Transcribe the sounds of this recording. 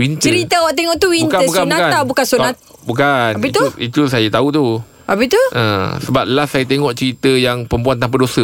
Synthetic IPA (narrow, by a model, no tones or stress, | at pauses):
wint̪t͡ʃəɾit̪əwaʔt̪eŋɔʔt̪uwintkaəbuskabnaaabukansonat̪bukanait̪uit̪usajat̪aut̪u | ʔapit̪uə̰̃səbap̚lasajat̪eŋɔʔt͡ʃəɾit̪əjaŋpəmpuant̪amp̬adosə